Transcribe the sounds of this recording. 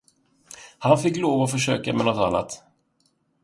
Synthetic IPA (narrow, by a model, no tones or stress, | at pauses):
hanfɪkːloːvaɔfœʂø̰ːkamɛnɔt̪a̰nːa̰t̪